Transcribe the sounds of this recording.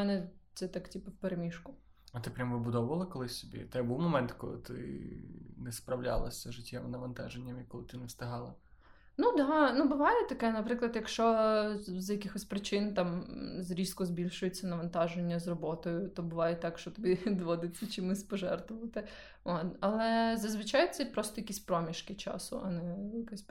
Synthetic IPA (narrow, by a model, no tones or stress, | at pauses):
mɛnɛt̪sɛt̪ɑktʲipɐwpeɾemʲiʃkʊ | ɐt̪ɪpɾʲamʋɪbʊd̪ɔwʊʋɐlˠɐkɔlˠɪsʲsʲɔbʲḭt̪ɛjbuwmɔmɛnt̪kɔlˠɪ̰t̪ɪ̰ | nɛspɾɐwlʲa̰lˠɐ̰sʲɐʒɪtʲʰːɛmnɐʋɐnt̪ɑ̰ʒenʲːɐmjkɔlˠɪt̪ɪnɛst̪ɪɦɑlˠɐ | nud̪ɑnubʊʋɑjɛt̪ɐkɛnɐpɾɪklˠɐd̪jɐkʃt͡ʃɔ | zɐjɐkɪxɔsʲpɾɪt͡ʃɪnt̪ɑmzɾʲiskʊzbʲilʲʃʊjʊt͡sʲːɐnɐʋɐnt̪ɑʒenʲːɐzrɔbɔt̪ɔjʊt̪ɔbʊʋɑjɛt̪ːɑkʃt͡ʃɔt̪ɔbʲid̪ʋɔd̪ɪt͡sʲːɐt͡ʃimɪsʲpɔʒɛrt̪ʋʊʋɐt̪ɪ | ot̪ɐlˠɛzɐzʋɪt͡ʃɑjʊt̪sʲɛipɾɔst̪ɔjɐkisʲpɾɔmʲiʃkɪt͡ʃɑ̰sʊ̰ʔɐnɛjɐkɛsʲ